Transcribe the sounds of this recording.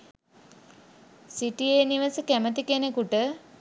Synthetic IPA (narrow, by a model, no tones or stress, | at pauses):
siʈijeːniʋəsəkæmət̪ikenekuʈə